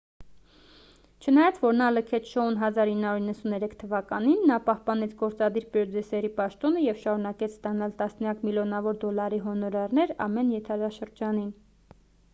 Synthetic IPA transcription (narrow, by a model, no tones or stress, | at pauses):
t͡ʃʰənɑjɑt͡sʰvɔɾnɑləkʰɛt͡sʰʃɔunɦɑzɑɾinːɑuɾinːəsunɛɾɛkʰt̪ʰəvɑkɑninːɑpɑhpɑnɛt͡sʰɡɔɾt͡sɑd̪iɾpɾɔd͡zɛsɛɾipɑʃt̪ɔnəjɛvʃɑɾunɑkɛt͡sʰst̪ɑnɑlt̪ɑsnjɑkʰmiljɔnɑvɔɾd̪ɔlɑɾiɦɔnɔɾɑɾnɛɾɑ̰mɛnjɛt̪ʰɑɾɑʃəɾd͡ʒɑnin